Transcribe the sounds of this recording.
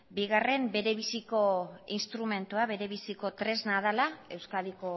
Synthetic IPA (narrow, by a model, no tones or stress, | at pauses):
biɣ̞are̞mbe̞ɾe̞β̞isiko̞inst̪ɾume̞nt̪uaβe̞ɾe̞β̞isiko̞t̪ɾe̞znað̞alae̞wskaliko̞